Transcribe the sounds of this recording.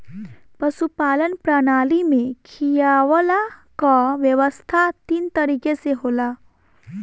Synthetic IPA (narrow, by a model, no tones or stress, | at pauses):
pɐsupaːlənpɾaːnaːlimẽkʰijaʋəlakaʋjəʋəst̪ʰat̪iːnt̪ɐɾiːkeseɦoːlaː